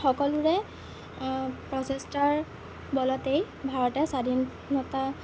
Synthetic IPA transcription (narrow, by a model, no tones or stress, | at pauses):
xɔkɔlʊɹɛ | pɹɔsestaɹ | bɔlɔtej | bʱaɹɔtɛsadʱin | nɔta